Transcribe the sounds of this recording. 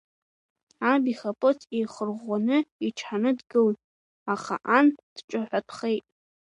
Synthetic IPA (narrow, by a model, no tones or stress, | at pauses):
abiχapʼotʰʼijχərʁʷanɨiʈ͡ʂʰħanɨdɡɨltʼ | aχa̰ʔand̥ʈ͡ʂʷʼaħʷatʰχe̞jtʼ